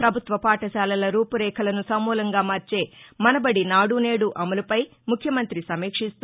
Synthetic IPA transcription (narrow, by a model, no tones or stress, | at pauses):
pɾɐbʱut̪ʋɐpaːʈɐʃaːlɐlɐɾuːpuɾɛːkʰɐlɐnusɐmːuːlɐŋɡaːmɐːɾt͡ʃe̞ːmɐnɐbɐɽinaːɽune̞ːɽuʔɐmɐlupɐj | mukʰjɐmɐnt̪ɾisɐmiːkʂist̪u